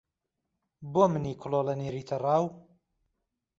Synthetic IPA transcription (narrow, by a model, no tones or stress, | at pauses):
bomɨniːkʰʊloːlɐneːɾiːt̪ʰɐrˤɑːw